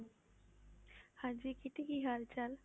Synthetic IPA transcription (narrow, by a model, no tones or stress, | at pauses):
had͡ʒikiʈikiɦaɾt͡ʃal